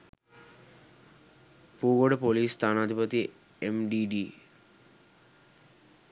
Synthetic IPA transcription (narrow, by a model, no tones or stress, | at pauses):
puːɡoɖpoliːsːt̪ʰaːnad̪ʱipət̪i | emɖiɖi